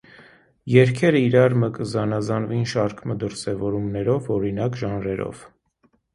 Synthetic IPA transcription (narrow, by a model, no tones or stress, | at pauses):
jɛɾkʰɛɾəiɾɑɾməkəzɑnɑzɑnvinʃɑɾkʰməd̪əɾsɛvɔɾumnɛɾɔvɔɾinɑkʒɑnɾɛɾɔ̰v̥